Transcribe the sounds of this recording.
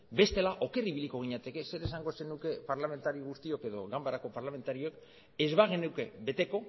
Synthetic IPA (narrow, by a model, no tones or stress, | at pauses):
be̞st̪e̞laʔo̞ke̞riβiliko̞ɣ̞iɲat̪e̞ke̞se̞ɾe̞saŋɡo̞senuke̞paɾlame̞nt̪aɾioɣust̪io̞ke̞ðo̞ɣambaɾako̞paɾlame̞nt̪aɾiok | e̞zβaɣenewke̞be̞t̪e̞ko̞